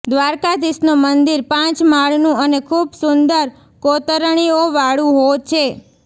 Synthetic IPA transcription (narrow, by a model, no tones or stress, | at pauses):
d̪ʋaɾkad̪isnomənd̪iɾpãt͡ʃmaɭnũənekʰubsʊnd̪əɾ | kot̪əɾɳ̃ioʋaɭũɦot͡ʃʰe